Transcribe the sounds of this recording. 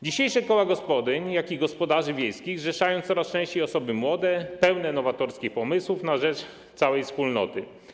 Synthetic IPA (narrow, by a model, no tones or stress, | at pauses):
d͡ʑiɕejʂɛkɔwaɡɔspɔd̪ɘɲjakʲiɡɔspɔd̪aʐɘvʲjejskʲiɣʐɛʂajɔ̃w̃t̪sɔɾast͡ʂɛ̃ɕt͡ɕejɔsɔbɘmwɔd̪ɛpɛwnɛnɔvat̪ɔɾskʲixpɔmɘswufnaʐɛt͡ʂ | t̪sawɛjfspulnɔ̰t̪ɘ